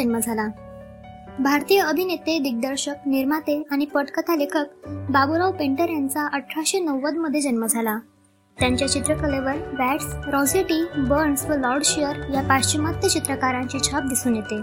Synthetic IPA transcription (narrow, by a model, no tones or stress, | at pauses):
ənməd͡zʱala | bʱaɾt̪ijəəbʱinet̪ed̪iɡ̚d̪əɾɕək̚niɾmat̪eaɽ̃ipəʈkət̪ʰalekʰək̚babuɾawpẽɳʈəɾjant͡saʔəʈʰːaɕenəwːəd̪məd̪ʱːjed͡ʑənməd͡zʱala | t̪jaɲt͡ɕjat͡ɕit̪ɾəkəleʋəɾʋæʈsɾɔ̃d͡zeʈibəɾɳsʋəlɔɾɖɕijəɾjapaɕt͡ɕimat̪jət͡ɕit̪ɾəkaɾãɲt͡ɕiːt͡ɕʰap̚d̪isuːnjet̪e